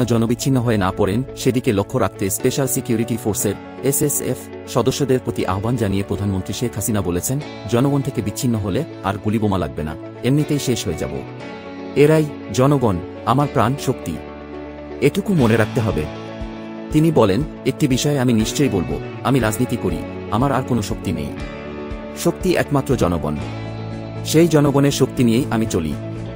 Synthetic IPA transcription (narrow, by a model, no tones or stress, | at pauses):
ad͡ʑɔnobit͡ɕːɕʰinːoɦɔenapɔɾenʃed̪ikelokʰːoɾak̚ʰt̪espeʃalsikijuɾiʈifoɾseɾ | esesḛf | ʃɔd̪oʃːod̪eɾpɾot̪iʔa̰ɦoband͡ʑanijepɾod̪ʱanmont̪ɾiʃekʰɦasinabolet͡ɕʰen | d͡ʑɔnoɡont̪ʰekebit͡ɕːɕʰinːoɦole | aɾɡulibomalaɡ̚bena̰ | emnit̪ejʃeʃɦoed͡ʑa̰bo̰ | eɾaj | d͡ʑɔnoɡon | amaɾpɾanʃokt̪ḭ | eʈukumoneɾak̚ʰt̪eɦɔbe | t̪inibɔlen | ek̚ʈibiʃɔeaminiʃt͡ɕojbolbo̰ | amiɾad͡ʑnit̪ikoɾḭ | amaɾaɾkonoʃokt̪inḛj | ʃokt̪iʔɛ̰kmat̪ːɾod͡ʑɔnoɡo̰n | ʃejd͡ʑɔnoɡoneɾʃokt̪inijejʔamit͡ɕolḭ